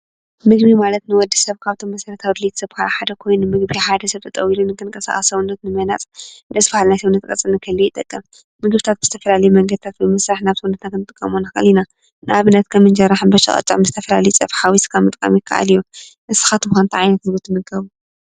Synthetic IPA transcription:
mɨɡbimalɐt̪nɨwɔd̪ːisɐβkʰaβt̪ʰo̞mːɐsɐɾɐt̪ʰawd̪ɨlet̪ʰsɐβkʰaɾaħad̪ɐkʰo̞jnɨmɨɡbijaħad̪ɐsɐβt̪ʰɨt̪ʼɐ̰wilunːɨŋkʰɨnkʼɐsa̰χʼɐsɐwunːɐt̪nɨmɐna̰t͡sʼɨnd̪ɐsfahalnajsɐβnɐt̪kʼɐ̰t͡sʼːɨnɨkʰɐlːojt̪ʼɐkʼːɨm | mɨɡbɨt̪ʰat̪̚bɨz̥ɨt̪ʰɐfɐlalɐjumɐŋɡɐd̪ɨt̪ʰat̪̚bɨmɨsɾaħnaβsɐwunɐt̪ʰaknɨt̪ʼɨkʼːɐ̰monaxɨʔɨlːina | nɨʔaβɨnːɐt̪kʰɐmɨnd͡ʒɐɾːaħɨnbɐʃɐ̰χʼɐ̰t͡ʃʼa̰mɨzɨt̪ʰɐfɐlalɐjut͡sʼɐfħawiskʰaβmɨt̪ʼkʼɐ̰mjɪkʰːa̰ʔa̰liju | ʔɨsɨ̥xat̪ɨmxant̪ʰʕajnɐt̪ɡut̪ʰːɨmɨɡɐβu

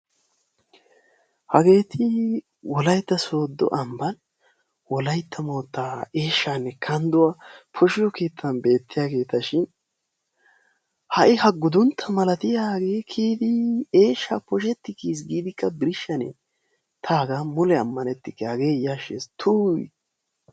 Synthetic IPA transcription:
hɐɡe̞ːt̪ʰɪ | wɔlɐjt̪ːɐso̞ːd̪ːɔ̰ʔɐmbɐn | wɔlɐjt̪ʰːɐmo̞ːt̪ːaːe̞ːʃːaːnːɛkʰɐnd̪ʊwapʰɔʃɪjɔke̞ːt̪ʰːɐnbe̞ːt̪ːɪjaːɡe̞ːt̪ɐʃɪn | hɐʔɪhɐɡʊd̪ʊnt̪ʰːɐmɐlɐt̪ɪjaːɡe̞ːkʰiːd̪ɪeːʃːaːpɔʃ̬ɛt̪ːɪkiːs̬ɡiːd̪ɪkːɐbɪɾɪʃːɐnɛ̰ | t̪ʰaːɡamʊlɛɐmːɐnɛt̪ːɪkːhɐɡe̞ːjaʃḛst̪ʰuːj

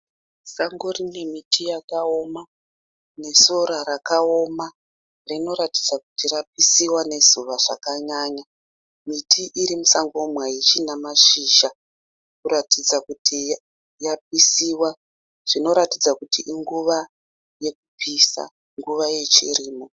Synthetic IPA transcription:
saŋɡorine̞mitʰijakao̞ma | ne̞so̞ɾaɾakao̞ma | rino̞ɾati̥d͡zakutirap̚isiwane̞zuʋaʐa̰kaɲaːɲa | mitʰiʔiɾimusaŋɡomwait͡ʃinamaʃiːʃa | kuɾatid͡zakutʰi | jap̚isiwa | ʐ̥ino̞ɾatid͡zakutiʔiŋɡuʋa | je̞kupʰisa̰ | ŋɡuʋaje̞t͡ʃiriːmo

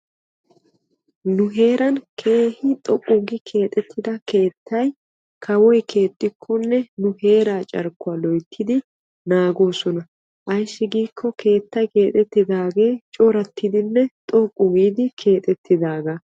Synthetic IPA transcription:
nʊɦe̞ːɾɐnkʰe̞ːhɪt̪ʼɔkʼːʊɡɪkʰe̞ːt̪ʼɛt̪ʰːɪd̪ɐke̞ːt̪ːɐj | kʰɐwɔjkʰe̞ːt̪ʼːɪkʰːʊnːɛnʊhe̞ːɾaːt͡ʃʼɐɾkːʊalɔjt̪ʰːɪd̪ɪ | naːɡoːsɔnɐ | ʔɐjsːɪɡiːkʰːɔkʰe̞ːt̪ːɐjke̞ːt̪ʼɛt̪ːɪd̪aːɡe̞ːt͡ʃʼoːɾɐt̪ʰːɪd̪ɪnːɛt̪ʼɔkʼːʊɡiːd̪ɪkʰe̞ːt̪ʼɛt̪ʰːɪd̪aːɡɐ

